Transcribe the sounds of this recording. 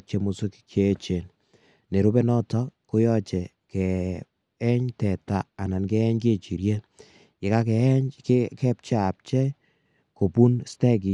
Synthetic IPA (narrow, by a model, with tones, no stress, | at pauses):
t͡ʃe˦mu˨su˦kke˨˦t͡ʃe˨n | ne˨ɾu˦bɛ˦nɔ˦tɔ˦ko˦jɔ˦t͡ʃɛ˨ | kɛ˨ | ɛ˦ɲtɛ˨taː˦˨na˨nkɛ˦ɛ˦ɲke˦˨t͡ʃi˨ɾje˦ | kɪ˨ka˦kɛ˨˦ɲkekɛ˦p̚t͡ʃa˦a˨p̚t͡ʃɛ˦ | ko˨pu˦nstɛ˦k̬i˨